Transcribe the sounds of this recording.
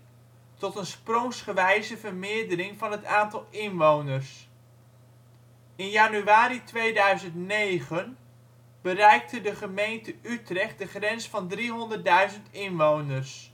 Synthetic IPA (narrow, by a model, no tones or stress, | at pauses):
tɔtənsprɔŋsχəʋɛjzəvəɹmɪːɹdərɪŋvɑnɦətaːntɑlˠɪnʋownərs | ɪnjanyaːɾitʋejdœɥzəntnejχən | b̥ərɛjk̚tədəχəmejntəytrɛχt̚dəχrɛnsfɑndriɦɔndərd̚dœɥzəntɪnʋownərs